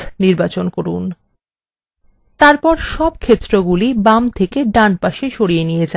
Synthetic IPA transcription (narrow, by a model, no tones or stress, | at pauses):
niɾbat͡ɕonkoɾun | t̪aɾpɔɾʃɔbkʰet̪ːɾoɡulibamt̪ʰekeɖanpaʃeʃoɽijenijed͡ʑa